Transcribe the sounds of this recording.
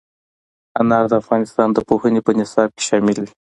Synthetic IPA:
anɑɾd̪əafɣɑnɪst̪ɑnd̪əpohənepənɪsɑb̚ke̥ʃɑmɪl

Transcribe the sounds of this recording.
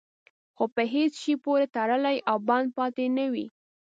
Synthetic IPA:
xopəɦet͡sʃipoɾet̪aɽəlajʔawbɑnd̪̚pɑt̪enəwḭ

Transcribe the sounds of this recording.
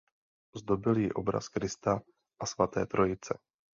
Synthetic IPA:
zd̪o̞bɪljɪʔo̞bɾa̰skɾɪst̪a | ʔasvat̪ɛ̰ːt̪ɾʔo̞jɪt͡sɛ

